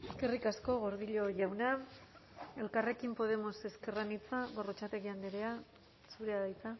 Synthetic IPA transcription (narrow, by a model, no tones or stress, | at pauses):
e̞ske̞rikasko̞ɣo̞ɾð̞iʎo̞ʝawna | e̞lkare̞kimpo̞ð̞e̞mo̞se̞ske̞ranit͡saɣo̞rot͡ʃat̪e̞ɣiand̪eɾe̞a | suɾeaðajt͡sa